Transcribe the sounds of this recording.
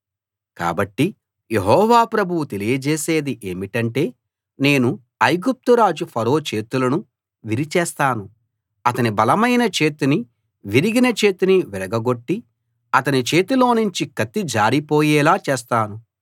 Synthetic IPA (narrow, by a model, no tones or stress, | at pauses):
ka̰ːbɐʈːi | je̞ɦɔːʋaːpɾɐbʱuwut̪e̞lijɐd͡ʒeːse̞ːd̪iʔe̞ːmiʈɐɳʈe̞ː | ne̞ːnu | ɐjɡup̚t̪uɾaːd͡ʒupʰɐɾo̞ːt͡ʃe̞ːt̪ulɐnu | ʋiɾit͡ʃɛːst̪aːnu | ɐt̪ɐnibɐlɐmɐjnɐt͡ʃe̞ːt̪ini | ʋiɾiɡinɐt͡ʃe̞ːt̪iniʋɛɾɐɡɐɡo̞ʈːi | ɐt̪ɐnit͡ʃe̞ːt̪ilo̞ːnuɲt͡ʃikɐt̪ːid͡ʒaːɾipo̞ːjɛːlaːt͡ʃeːst̪aːnu